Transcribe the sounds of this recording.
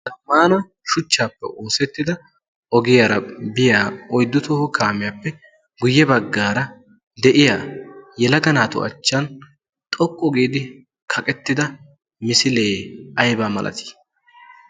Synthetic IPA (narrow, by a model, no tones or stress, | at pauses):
tɐmaːnɐ | ʃʊt͡ʃːaːpːɛ̰ʔo̞ːsɛt̪ːɪd̪ɐ | ʔɔɡɪjaɾɐbɪjaːɔjd̪ːʊt̪ɔhkʰaːmɪjaːpːɛ | ɡʊjːɛbɐɡːaːɾɐ | d̪ɛʔɪjaːjɛlɐɡɐnaːt̪ʊ̰ɐ̰t͡ʃːɐn | t̪ʼɔkʼːɔɡiːd̪ɪ | kʰɐkʼɛt̪ːɪd̪ɐ | mɪsɪleːɐjbaːmɐ̰lʔɐ̰t̪ʰi̥ː